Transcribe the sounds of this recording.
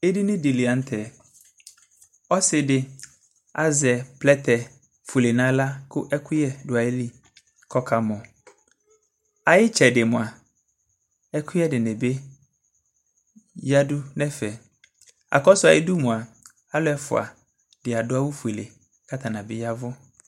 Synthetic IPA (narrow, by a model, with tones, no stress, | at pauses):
e˦di˦nɪ̃˦di˨lɪ˨a˨n̩˦tʰɛ˨ | ɔ˦sɪ˨dɪ˨ | a˨zɛ˨pʰlɛ˦tʰɛ˨ | fu˨le˨nã˦la˦kʰʊ˦ʔɛ˦kʰʊ˦jɛ˦dʊ˨a˨e˦li˦ | kʰɔ˦kʰa˨mʊ̃˨ | a˨jɪ˦t͡ʃʰɛ˨dɪ˨mʊ̃˨a˨ | ɛ˦kʰʊ˦ɛ˦dɪ˨nɛ̃˨be˦ | ja˦dʊ˦nɛ̃˦fɛ˨ | a̰˨kɔ˦sʊ˨a˨jɪ˦du˦mʊ̃˨a˨ | a˦lʊ˦ɛ˨fʊ̰˨a̰˨ | dɪ˨a˨dʊ˦a˦wʊ˦fe˨le˨ | kʰa˦t̪ʰa˨nã˨bɪ˦ja˦vʊ˦